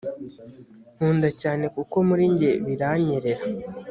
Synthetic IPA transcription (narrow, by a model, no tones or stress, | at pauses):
n̥uːndacaːne̞kuko̞muɾiɲɟe̞βiɾaɲeɾe̞ɾa